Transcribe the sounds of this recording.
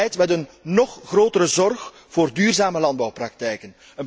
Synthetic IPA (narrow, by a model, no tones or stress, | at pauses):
ɛjtmɛtənːɔχːroːtəɾəzɔrx | v̥oːrdyːrzaːməlɑnd̚bɑwprɑk̚tɛjkən | ən